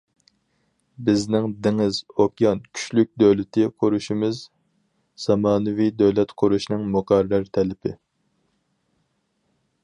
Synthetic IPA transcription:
bɪznɪŋd̪ɪŋɪzokʲjɑnkʲʰy̥ʃlyk̚ʲd̪øwlɪt̪ʰɪqʰʊɾuʃimɪz | z̥ɑmɑːnɨvid̪ɛwlɛt̪qʰʊɾuʃnɨŋmʊqæɾæɾt̪ʰɛlɪpʰɪ̰

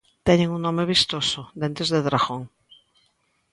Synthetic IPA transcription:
t̪ɛɲẽŋuŋnõmeβ̞ist̪osod̪ẽnt̪ɾezðeðɾaɣoŋ

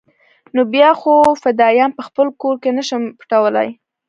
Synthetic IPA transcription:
nobjɑxofɪd̪ɑjɑnpəxpəlkoɾkenəʃəmpʈawəla̰j

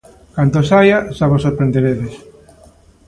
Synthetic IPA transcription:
kand̪osajasaβosoɾpɾend̪eɾeðes

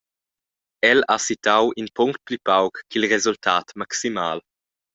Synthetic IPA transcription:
ɛlasit̪awʔinpɔŋkt̪̚plypawkːilɾezult̪ʰaːt̪maksimaːl

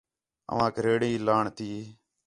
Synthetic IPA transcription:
ə̰ʋãːkɾeːɽĩːlaːɳt̪iː

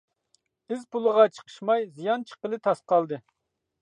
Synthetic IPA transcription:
ɪzpulˠəʁɑt͡ʃʰə̥qʰə̥ʃmɑjzijɑnt͡ʃʰə̥qəlˠɨt̪ʰɑsqɑlˠd̪ɨ

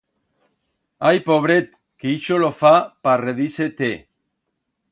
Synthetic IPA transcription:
ajpoβ̞ɾet̪ | keiʃolofapareðiset̪e

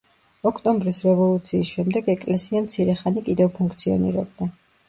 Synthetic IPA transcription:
ɔkʰt̪ʼɔmbɾisɾɛvɔlˠut̪sʰiːsʃɛmd̪ɛɡɛkʼlɛsiamt̪sʰiɾɛχanikʼid̪ɛvpʰuŋkʰt̪sʰiɔ̰nḭɾɛ̰b̚d̪a

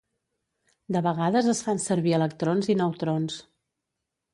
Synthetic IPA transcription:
d̪əβəɣaðəzəsfansəɾβiələk̚t̪ɾonzinəwt̪ɾons

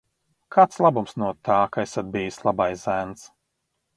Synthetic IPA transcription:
kʰaːt̪slˠabumsnuɔt̪aːkaesad̪̚bijislˠabajzænt̪s

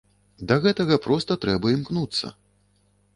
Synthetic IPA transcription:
d̪ɐɣɛt̪ɐɣɐpɾɔst̪ɐt̪ɾɛbɐimknut̪sːɐ̰

